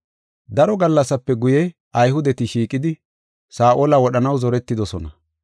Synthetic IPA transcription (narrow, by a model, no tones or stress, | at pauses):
d̪ɐɾɔɡɐlːɐsːɐpːɛɡʊjɛ | ʔɐjhʊd̪ɛt̪ɪʃiːkʼːɪd̪ɪ | saːʔoːlɐwɔɗɐnɐwzɔɾɛt̪ːɪd̪ɔsɔnɐ